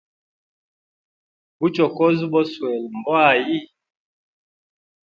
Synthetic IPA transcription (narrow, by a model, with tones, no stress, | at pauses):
bu˦t͡ʃɔ˨kɔ˦zbɔ˦swɛ˨lm̩˨bwa˦˨ji˦˨